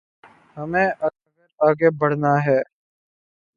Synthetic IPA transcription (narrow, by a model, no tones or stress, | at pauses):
hɐmẽʔɐ | ɡəɾaːɡebɐɽ̤naɦɛː